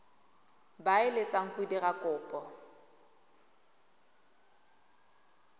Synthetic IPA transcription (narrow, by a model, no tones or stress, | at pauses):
baɪlɪt͡sʼaŋ̩χuidiɣakʼʊːpʼɔ